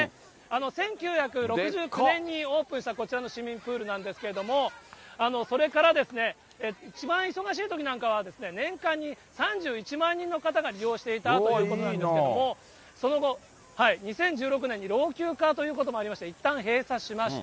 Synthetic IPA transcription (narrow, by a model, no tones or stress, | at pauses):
e | ano̞sẽ̞ŋkʲɨːçakɯ̟ɾo̞kɯ̟ʑɨːkɯnẽ̞ɲ̟ːio̞ːpɯ̃ɕi̥t̪ako̞t͡ɕiɾano̞ɕimʲĩmpɯ̟ːɾɯ̟nãnd̪e̞sɨ̥ke̞ɾe̞d̪o̞mo̞ano̞so̞ɾe̞kaɾad̪e̞sɨne̞ | eit͡ɕibãɰ̃iso̞ɡaɕ̬iːt̪o̞kʲinãŋkaβad̪e̞sɨne̞nẽ̞ŋkãɲ̟ːi | sãɲd͡ʑɨːit͡ɕimãɲ̟ːĩnːokat̪aɡaɾʲijo̞ːɕi̥t̪e̞it̪aojiɯːkoonãnd̪esedomo̞ | so̞no̞ɡo̞ | haiɲ̟isẽ̞ɲ̟d͡ʑɨːɾo̞k̬ɯ̟ne̞ɲ̟ːiɾo̞ːkʲɨːkat̪o̞jɯ̟ːkot̪o̞mo̞aɾʲimaɕi̥t̪eit̪ːãɰ̃ɦe̞ːsaɕimaɕi̥t̪